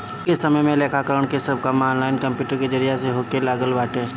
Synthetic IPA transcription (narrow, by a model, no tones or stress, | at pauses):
ʊkesɐməjmẽleːkʰakəɾəɽ̃kesɐb̚kamaːnlaːɪnkɐ̃mpjuːʈəɾked͡ʒəɾɪjaseɦoːkelaːɡəlʋaːʈeː